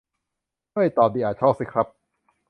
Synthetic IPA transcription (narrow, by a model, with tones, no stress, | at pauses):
jt̪ɔː˨˩p̚diː˧ʔaː˨˩t̪̚t͡ɕʰɔː˥˩p̚si˦˥kʰɾa˦˥p̚